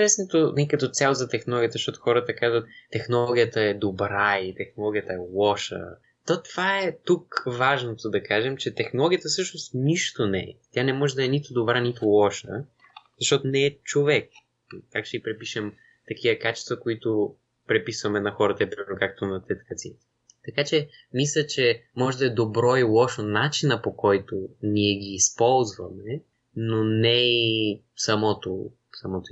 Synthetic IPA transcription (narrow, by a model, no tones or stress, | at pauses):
ɾɛsnot̪onikɐt̪ɔt̪sʲjalˠzɐt̪ɛxnolˠɔɡʲiət̪zɐʃt̪ɔt̪o̥xɔɾət̪əkazvət̪ːɛxnolˠɔɡʲijət̪əɛd̪obɾait̪ɛxnolˠɔɡʲijət̪əɛlˠɔʃə̰ | t̪ɔt̪vaɛt̪ukvaʒnot̪od̪ɐkaʒɛmt͡ʃɛt̪ɛxnolˠɔɡʲiət̪əsɤʃnost̪niʃt̪onɛɛt̪ʲjanɛmɔʒɛd̪ɐɛnit̪ʊd̪obɾanit̪olˠɔʃə̰ | zɐʃt̪ɔt̪onɛːt͡ʃovɛk̚ | kakʃɛipɾɛpiʃəm | t̪ɐk̟ivɐkat͡ʃɛ̥st̪vəkoit̪o | pɾɛpisvɐmɛnɐxɔɾɐt̪ɐɛpɾimɛɾnokak̚t̪onɐt̪ɛt̪kɐt̪sḭ | t̪ɐkat͡ʃɛ | mislʲɐt͡ʃɛmɔʒɛd̪ɐɛd̪obɾɔilˠɔʃənat͡ʃinəpokɔjt̪oniɛɡiːspɔlˠzvɐmɛ | nonɛi | sɐmɔt̪o | sɐmɔt̪o